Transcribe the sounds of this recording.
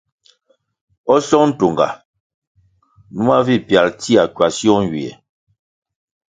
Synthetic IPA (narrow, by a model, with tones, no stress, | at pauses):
ɔ˦sɔ˦ŋn̩˦to˨ŋɡa̰˨ | nu˦a˦vi˦˨pja˨lti˦a˨kwa˨sjɔ˦ŋ̩˨ɡɥi˨ɛ̰˨